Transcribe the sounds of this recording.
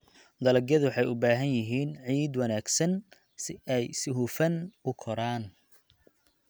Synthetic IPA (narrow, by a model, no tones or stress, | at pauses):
d̪ɐlɐɡjɐðʊwħɑjʊbaːɦɐnjɪɦiːnʕiːd̪wɑnaːɡsɐn | sɪʔɛjsɪɦuːfɐnʊkʰɔɾaːn